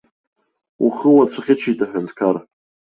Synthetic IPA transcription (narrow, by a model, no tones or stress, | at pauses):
ṵχəwat͡ɕʷʰaχʲɪʈ͡ʂʷʰitʼaħʷᶣantʰkʰar